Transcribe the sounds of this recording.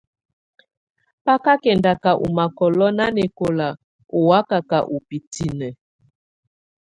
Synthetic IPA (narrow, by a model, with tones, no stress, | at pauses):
pa˦ka˦kɛ˨nda˨ka˨ʔṵ˨ma˨kɔ˨lɔ˦na˦ne˨ko˨la˨ | o˨wa˦ka˨ka˨ʔu˨pi˨ti˨nɛ˨